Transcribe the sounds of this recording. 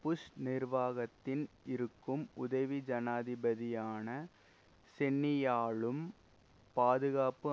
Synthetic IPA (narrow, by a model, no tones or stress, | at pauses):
pʊʂnɪɾʋaːɣɐt̪ːɪnɪɾɯkːɯmʊðɐʋid͡ʒɐnaːðɪbɐðɪjaːnɐ | sɛnːɪjaːɭɯm | paːðɯɣaːpɯ